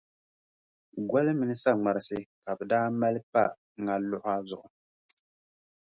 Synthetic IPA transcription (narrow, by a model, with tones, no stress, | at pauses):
ɡa˦lɨ˦mɨ˨nɨ˦sa˦ŋ͡ma˨ɾɨ˦sɨ˦ka˨bɛ˨daː˦ma˦lɨ˦pa˦ | ŋa˦lʊ˦ʔʊ˦a˦zʊ˨ʔʊ˨